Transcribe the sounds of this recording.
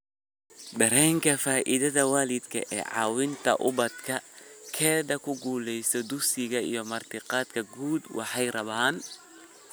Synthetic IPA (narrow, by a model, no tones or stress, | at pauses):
d̪ɐɾɛːŋkʰɐfaːʔɪðɐðɐwaːlɪd̪kʰɐ̰ʔɛ̰ːʕɑ̰ːwɪnt̪ʰɐ̰ʔʊβɐd̪kʰɐkʰɛːðɐkʰʊɡuːlɛjsɔd̪ʊsɪɣɐḭjɔmɐrt̪ʰɪqɑːd̪kʰɐɡuːd̪wʔɑ̰ħɑjrɐβaːn